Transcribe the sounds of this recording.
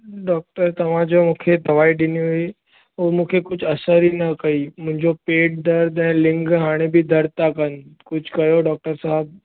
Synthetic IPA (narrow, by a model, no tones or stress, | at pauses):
ɖɔːk̚ʈəɾt̪ɐʋ̤ãd͡ʒomũːkʰed̪ɐʋaːiɖɪniɦui | oːmũːkʰekʊt͡ʃʰɐsəɾɦinɐkɐimʊ̃ɦɪ̃ɲd͡ʑopeːʈ̚d̪ɐɾd̪ɛ̃ːlɪ̃ŋɡɦaːɽ̃ebʱid̪ʱɐɾt̪akɐnkʊt͡ʃʰkɐjoɖɔːk̚ʈəɾsaːɦəb̚